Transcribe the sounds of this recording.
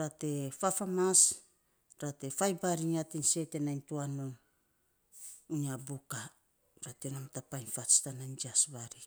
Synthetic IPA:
ɾate̞fafamas | ɾate̞fajbaɾiŋatinse̞te̞najntuanon | iniabuka | ɾatenomtapajnfat͡ʃtanajnd͡ʒiasβaɾi

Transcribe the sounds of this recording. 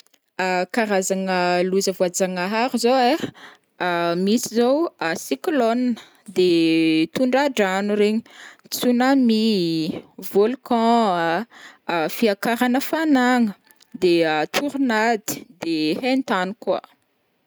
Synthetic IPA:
akaɾazaŋəluzəvuad͡zaŋaɦaɾuzowe | misizowasiklonnə̥ | d̪et̪uɳɖ͡ʐaɖ͡ʐanuɾeɲi̥ | t͡sunami | volkɔ̃ | fiakaɾanəfanaŋə | d̪eat̪ʰuɾunad̪i̥d̪ehent̪anuka̰

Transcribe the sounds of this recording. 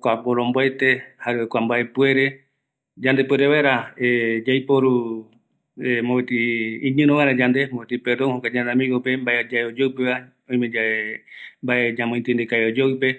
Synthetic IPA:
kʷaboɾomboaejt̪e̞haɾeokʷambaepue̞ɾe̞ | d͡ʒand̪epueɾeβaeɾaed͡ʒajpoɾu | emoβet̪iĩɲɨ̃nõβajɾãd͡ʒand̪emoet̪ipeɾd̪onhokʷad͡ʒãnamĩɡopembaed͡ʒaeod͡ʒowpeβa | oj̃mẽd͡ʒa | mbaed͡ʒamõĩt̪end̪ekaeod͡ʒowpe̞

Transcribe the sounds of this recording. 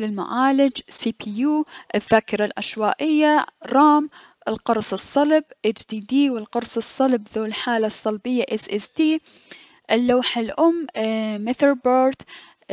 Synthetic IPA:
lɪlmʊ̰ʕaːlɪd͡ʒsiːpʰiːjuːʔɪðːaːkɑɾˤalʔa̰ʃwaːʔɪjːaɾˤɑːm | ʔɪlqɑɾˤsˤɨsˤːɑlbʔɪd͡ʒd̪iːd̪iːwɪlqɑɾˤsˤɨsˤːɑlbðuːlħaːlasˤːɑlbɪjːaʔɪsʔɛsd̪iː | ʔɪlːawħalʔʊmːmɪθəɾbaːɾt̪

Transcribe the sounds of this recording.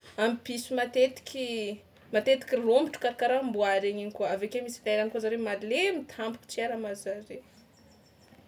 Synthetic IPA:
amipisimat̪et̪i̥kʲʰi | mat̪et̪i̥kʲirombiʈ͡ʂu̥kaɾakaɾambuaɾeɲiɲikuəavekemisilaɾanikazaɾemalemit̪ʰambu̥ku̥t͡siaɾamazaɾe

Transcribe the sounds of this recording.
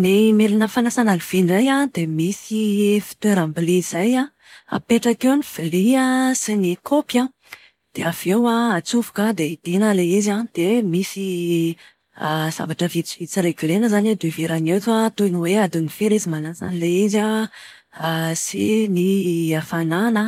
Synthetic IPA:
nimelinəfanasanaliv̥inrajad̪̥emisifi̥t̪weɾambiliz̥aja | a̰peʈ͡ʂakewniv̥iliasinikʰopja | d̪̥eav̥ewaat͡sufu̥kəd̪eid̪̥enəleizad̪̥emisi | z̥a̰vaʈ͡ʂəvit͡siit͡siɾeɡilenəzaned̪eviɾanewt̪at̪uniwead̪unifeɾezimanasa̰nileiza | sḭniafananə

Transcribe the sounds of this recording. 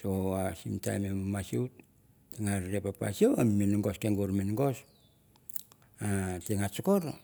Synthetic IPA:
sowasimta̰jmemmasiut | tiŋaɾɾepapa̰sioamminŋɡoskeŋɡuɾminŋɡos | ateŋat͡ʃokoɾo

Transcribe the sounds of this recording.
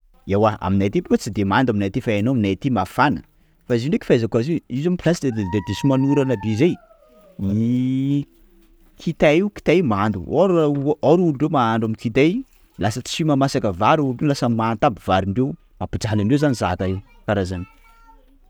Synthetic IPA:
ewaa̰minajt̪ibukət͡sid̪emand̪aminajt̪ifaenoaminajt̪imafana̰ | faiziɳɖ͡ʐeki̥fajzakuazeizamipilasid̪ed̪ed̪esimanuɾanab̪ezej | ni | kʰit̪aiwki̥t̪ajmand̪ṵɾoɾuluɖ͡ʐemaaɳɖ͡ʐamikit̪ej | lasət͡simamasakəvaɾuluɖ͡ʐelasəmaːnt̪abivaɾiɳɖ͡ʐew | mapid͡ʒalaɳɖ͡ʐewzanizat̪a | kaɾazani̥

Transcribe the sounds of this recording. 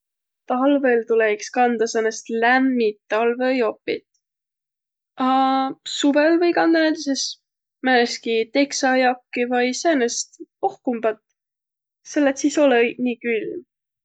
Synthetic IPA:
t̪ɑlvelt̪ulekskɑnd̪ɑsenest̪læmːit̪ːɑlvejo̞pːˑḭt̪ | ɑsuvelvɤjkɑnd̪̥ɑnæt̪eses | mæneskit̪e̞ksɑjɑkːivɑjsenest̪pohkumb̥ɑt̪ | selːet̪siso̞leniːkylm

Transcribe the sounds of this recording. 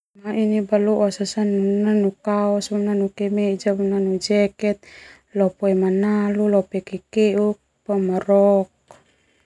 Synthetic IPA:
mainibaluʔasasanunanukaɔsbunanukɛmɛd͡ʒamunanud͡ʒɛkɛt̪̚ | lɔpɔɛmanalulɔpɛkɛkɛuk̚pamaɾɔk̚

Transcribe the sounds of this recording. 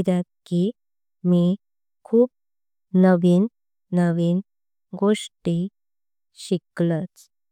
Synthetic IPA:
d̪at̪̚ki | mi | kʰuːp̚ | nəʋiːnː | əʋiːn | ɡoʂʈi | ɕiklət͡s

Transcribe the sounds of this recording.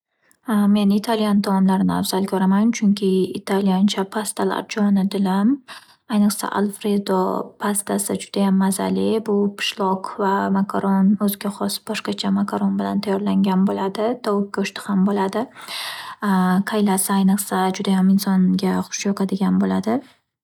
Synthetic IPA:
me̞nɪt̪ʰalijant̪ʰamɒmlaɾɪnɪa̰vzalkʲʰɒɾamant͡ʃʰʊŋkʲʰɪːt̪ʰalijant͡ʃʰapʰast̪ʰala̰ɾd͡ʒɒnɪd̪ɪlam | ajnɨqsa̰ʔa̰lˠfɾed̪o̰pʰast̪ʰasɪd͡ʒʊd̪ajamːaza̰lɪbʊpʰɪ̥ʃlˠɒqvamakʰaɾonɵzɪɡʲaχɒsbɒʃqɑt͡ʃʰamakʰaɾonbɪla̰nt̪ʰajɒɾlaŋɡʲanbolad̪ɪd̪ʰɒwʊk̚ʲkʊʃt̪ɪ̥hambolad̪ɪ | qʰajlasɪajnɨqsad͡ʒʊd̪ajamɪnsɒnɡʲaχʊ̥ʃjɒqʰɑd̪ɪɡʲanbolad̪ɪ

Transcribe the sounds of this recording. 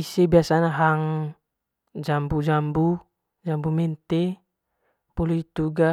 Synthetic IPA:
isebiasanaɦaŋ | d͡ʒambud͡ʒambu | d͡ʒambumɛnt̪e | pɔluit̪uɡa

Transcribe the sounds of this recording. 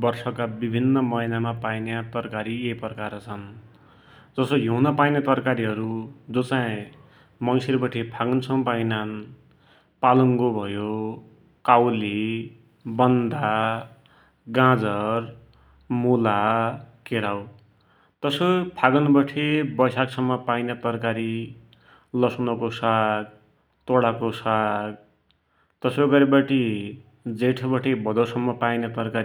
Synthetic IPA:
bʌrsʌkabibʱinːʌmʌinamapajnjat̪ʌrkaɾiepʌkaɾt͡sʰʌn | d͡zʌsʌjounʌpajnet̪ʌrkaɾiɦʌɾud͡zot͡saĩ | mʌjseɾbʌʈʰepʰaɡʌnt͡sʰʌw̃pajnan | palʌŋɡobʱʌjo | kawli | bʌnd̪a | ɡãd͡zʌr | mulakeɾaw | t̪ʌsopʰaɡʌnbʌʈʰebʌjsaksʌmːʌpajnʌt̪ʌrkaɾi | lʌsunʌkosaɡ̚ | t̪oɽakosaɡ̚ | t̪ʌsoɡʌɾebaʈi | d͡zeʈʰbʌʈʰebʱʌd̪ʌsʌmːʌpajnʌt̪ʌrkaɾi

